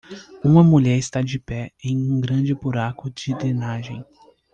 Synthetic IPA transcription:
ũmɐmuʎɛɾɪst̪ad͡ʒɪpɛẽj̃ũɡɾɐ̃d͡ʒɪbuɾakʊd͡ʒɪd̪ɾenaʒḛ̃j̃

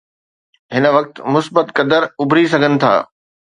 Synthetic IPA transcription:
ɦɪnə̆ʋɐk̚t̪mʊsbət̪kɐd̪əɾʊbʱɾis̬ɐɡʱənɪ̆t̪ʰa̰ː

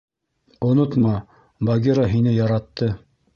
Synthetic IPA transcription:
ŏnot̪mɑ | baɡʲeɾaɦinɘjɑɾɑt̪ːɤ

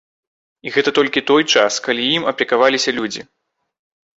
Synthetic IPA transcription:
iɣɛt̪ɐt̪ɔlʲkʲit̪ɔjt͡ʂaskalʲijimɐplʲikavalʲisʲɐlʲud͡zʲi

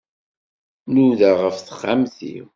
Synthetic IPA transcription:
nuðaʁəfθə̥χːamθḭ

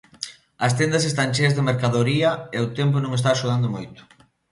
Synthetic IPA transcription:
ɐst̪end̪ɐsest̪anʲt͡ʃeɾazðemeɾkaðoɾiɐeʊt̪ɛmp̬ʊnõŋest̪aːʃuð̞and̪ʊmojt̪ʊ̥

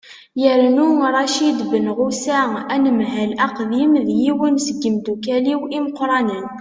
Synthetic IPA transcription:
jəɾnuɾˤɑʃid̪bənʁusæænəmɦælʔæqðimðjiwənsəɡːəmd̪ukæliwiməqɾˤɑnən

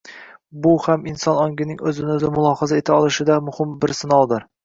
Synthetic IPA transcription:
bʊhamɪnsɒnɒŋɡʲɪnɪŋɵzɪnɵzɪmʊlˠɒhɒzae̞t̪ʰɪɒlˠɪʃɪd̪amʊhɪmbɪɾsɪnɒlˠd̪ɪɾ

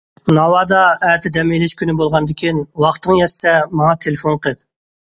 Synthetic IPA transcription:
nɑwɑːd̪ɑɛt̪ʰɪd̪ɛmelɪʃkʲʰynɪbolˠʁɑnd̪ɪkʲʰinwɑχt̪ɨŋjɛsːɛmɑŋɑt̪ʰelɪfonqʰəd̪

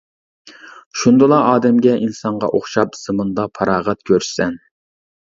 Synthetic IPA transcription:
ʃund̪ɨlˠɑɑːd̪ɛmɡʲɛʔinsɑɴʁɑ̰ʔoχʃɑp̚ɨ̥sɨmɨnd̪ɑpʰɑɾɑːʁɑt̪̚kʲʰøɾ̥sɛn

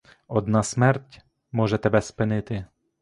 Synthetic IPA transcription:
ɔd̪nasmɛrtʲ | mɔʒɛt̪ɛbɛspɪnɪt̪ɪ

